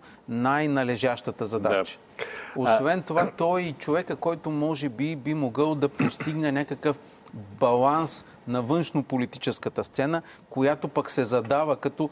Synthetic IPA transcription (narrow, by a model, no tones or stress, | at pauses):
najnɐlɛʒaʃt̪ət̪əzɐd̪at͡ʃə̥ | osvɛnt̪ovat̪ɔit͡ʃovɛkəkɔjt̪ʊmɔʒɛbibimoɡɤlˠd̪ɐpost̪iɡnɛnʲakəkəf | bɐlˠans | nɐvɤnʃnopolit̪it͡ʃɛskət̪əst̪sɛnə | kojat̪opɐksɛzɐd̪avəkɐt̪ɔ